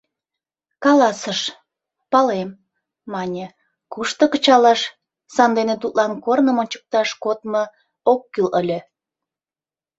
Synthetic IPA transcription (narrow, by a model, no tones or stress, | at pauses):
kɑlɑsəʃ | pɑlemː | ɑnʲe | kuʃt̪okət͡ɕɑlɑʃ | sɑnd̪enet̪ut̪lɑnkornəmonʲt͡ɕə̥k̚t̪ɑʃkot̪̚mə̆ | okːyləlʲe